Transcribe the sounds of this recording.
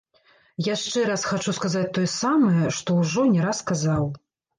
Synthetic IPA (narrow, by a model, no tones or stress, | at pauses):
jaʂt͡ʂɛɾasxat͡ʂuskazat͡sʲt̪ɔjɛsamɐjɐʂt̪ɔwʐɔnʲɛɾasːkazaw